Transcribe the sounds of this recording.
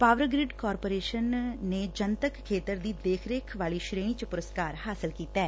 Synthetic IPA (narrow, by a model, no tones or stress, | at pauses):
paːʋəɾɡɾɪɖkɔːɾpoːɾeːʃənːeːd͡ʒənt̪əkʰːeːt̪əɾd̪iːd̪eːkʰɾeːkʰʋaːliːʃɾeːɳ̃iːt͡ʃəpʊɾəskaːɾhaːsɪlkiːt̪ɛɛː